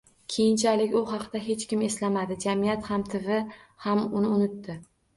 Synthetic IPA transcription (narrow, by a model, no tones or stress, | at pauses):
kʲʰe̞jɪnt͡ʃʰalɪkʲʊɦɑqd̪aɦe̞t͡ʃkʲɪme̞slamad̪ɪd͡ʒamijat̪hamt̪ʰɪvɪhamʊnɪʊnɪt̪ːɪ